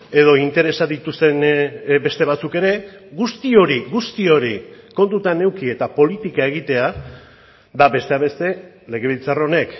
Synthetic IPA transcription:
e̞ðo̞int̪e̞ɾe̞saðit̪ust̪e̞nbe̞st̪e̞β̞at͡suke̞ɾe̞ɣust̪io̞ɾiɣust̪io̞ɾiko̞nt̪ut̪ane̞wkie̞t̪apo̞lit̪ikae̞ɣ̞it̪e̞a | daβe̞st̪e̞aβe̞st̪e̞ | le̞ɣe̞βilt͡saro̞ne̞k

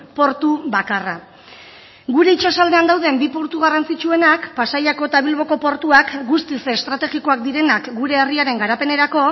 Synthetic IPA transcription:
po̞ɾt̪uβakara | ɡuɾe̞it͡ʃasald̪e̞and̪awð̞e̞mbipoɾt̪uɣ̞arant͡sit͡ʃue̞nakpasajako̞t̪aβ̞ilβ̞o̞ko̞po̞ɾt̪uakɡust̪iseːst̪ɾat̪e̞ɣiko̞ak̚d̪iɾe̞nakɡuɾe̞ːriaɾe̞ŋɡaɾape̞ne̞ɾako̞

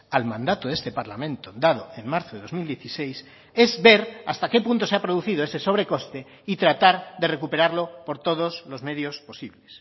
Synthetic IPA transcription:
almãnd̪at̪oðest̪epaɾlamẽnt̪od̪að̞oeŋmaɾθoðeðo̞zmild̪jeθisejs | ezβe̞ɾa̰st̪ake̞punt̪oseapɾoðuθiðoeseso̞β̞ɾe̞ko̞st̪e | it̪ɾat̪aɾðere̞kupeɾaɾlopoɾt̪oð̞oslozme̞ðjosposiβles

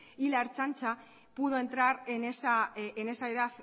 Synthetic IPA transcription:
ilaɾt͡ʃant͡ʃa | puð̞o̞ent̪ɾaɾenesaene̞saeɾaθ

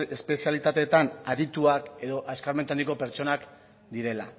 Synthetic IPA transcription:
espe̞sialit̪at̪e̞t̪anaðit̪uake̞ðo̞ʔaskaɾme̞nt̪and̪ikope̞ɾt͡ʃo̞nak | d̪iɾe̞la

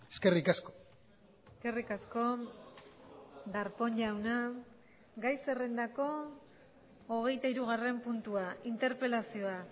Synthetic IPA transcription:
eske̞rikasko̥ | eske̞rikasko̞ | d̪aɾpo̞ɲʎawna | ɡajse̞rend̪ako̞ | ɣ̞e̞jt̪aiɾuɣ̞are̞mpunt̪uaint̪e̞ɾpe̞lasio̞a

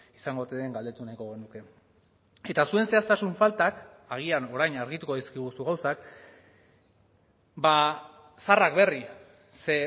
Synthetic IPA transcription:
isaŋɡot̪eðeŋɡald̪e̞t̪unajko̞ɣe̞nuke̞ | e̞t̪asue̞nse̞ast̪asuɱfalt̪ak | aɣ̞iano̞ɾajnaɾɣit̪uko̞ðiskiɣ̞usuɣ̞awsak | ba | sarakbe̞ri | se̞

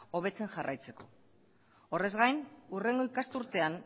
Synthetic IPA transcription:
o̞β̞e̞t͡se̞nʝarʔa̰jt͡se̞ko̞̰ | ore̞zɣajnure̞ŋɡo̞ikast̪uɾt̪e̞an

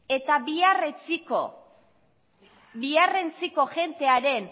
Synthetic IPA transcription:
e̞t̪aβiaret͡siko | biare̞nt͡siko̞ʝe̞nt̪e̞aɾe̞n

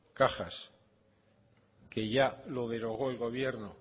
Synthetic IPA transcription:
kaχas | ke̞ʝalo̞ðe̞ɾo̞ɣ̞o̞elɣo̞β̞je̞ɾno

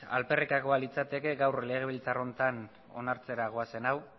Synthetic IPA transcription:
a̰lpe̞rikako̞alit͡sat̪e̞ke̞ɡawrle̞ɣ̞e̞β̞ilt͡saro̞nt̪an | o̞̰naɾt͡se̞ɾaɣ̞oase̞naw

